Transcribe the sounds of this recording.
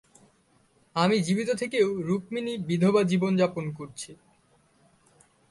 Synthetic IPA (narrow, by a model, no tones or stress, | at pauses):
amid͡ʑibit̪ot̪ʰekewɾuk̚minibid̪ʱobad͡ʑibond͡ʑaponkoɾt͡ɕʰi